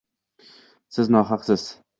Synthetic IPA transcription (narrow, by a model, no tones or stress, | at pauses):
sɪznɒːɦɑqsɪz̥